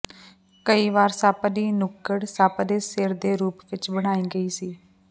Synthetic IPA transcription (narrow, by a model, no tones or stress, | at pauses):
kəiːʋaːɾsaːpd̪iːnʊkːəɽsaːpd̪eːsɪɾd̪eːɾuːpʋɪt͡ʃbəɽ̃aːiːɡəiːsiː